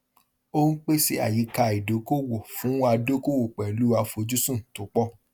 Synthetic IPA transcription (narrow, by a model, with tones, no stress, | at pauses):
o˦n̩˦k͡pe˦se˧˦a̰˨ji˨˧˦ka˧˨i˨do˨˦ko˦wo˨fũ˨˦wa˧do˦ko˦˨wo˨k͡pɛ˨lu˦wa˧fo˧d͡ʒu˦sũ˦˨to˨˦k͡pɔ˦